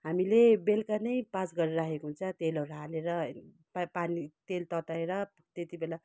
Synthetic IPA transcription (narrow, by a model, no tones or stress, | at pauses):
ɦamilebelkanʌjpasɡʌɾeɾakʰekoɦunt͡sʰʌt̪elʌɾɦaleɾʌ | panit̪elt̪ʌt̪aeɾʌ | t̪et̪ibela